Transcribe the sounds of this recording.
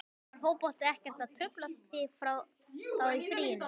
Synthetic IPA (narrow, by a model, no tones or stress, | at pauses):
ɦoːwpɔl̥t̪ɪɛhcɛr̥t̪at̪ʰɾʏplḁt̪fɪfɾaw | θawifɾiːjɪn